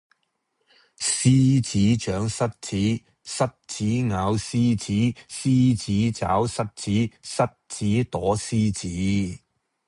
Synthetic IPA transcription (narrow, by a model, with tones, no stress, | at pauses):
siː˥t͡siː˨˥t͡ʃœː˨˥ŋsɐ˥t̚t͡sʰiː˨˥ | sɐ˥t̚t͡sʰiː˨˥ŋaː˨˧wsiː˥t͡siː˨˥siː˥t͡siː˨˥t͡sa̰ː˨˥wsɐ˥t̚t͡sʰiː˨˥sɐ˥t̚t͡siː˨˥t̪ɔː˨˥siː˥t͡siː˨˥